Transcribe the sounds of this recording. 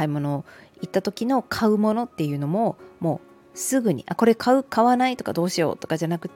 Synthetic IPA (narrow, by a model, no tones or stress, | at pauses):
aimo̞no̞ːit̪ːat̪o̞kʲino̞kʰaɯ̟mo̞no̞t̪ːe̞jɯ̟ːno̞mo̞mo̞ː | sɨɡɯ̟ɲ̟ḭʔako̞ɾe̞kʰaɯ̟kʰaβanait̪o̞ka̰d̪o̞ːɕijo̞̰ːt̪o̞kad͡ʑanakɯ̟t̪ː